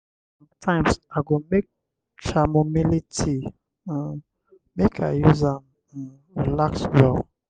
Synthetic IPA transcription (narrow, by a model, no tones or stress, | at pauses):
s | ãmtʰãɪ̃msaɡomek̚ | t͡ʃamomilitʰi | mekʰa̰juzam | ɹilakswɔl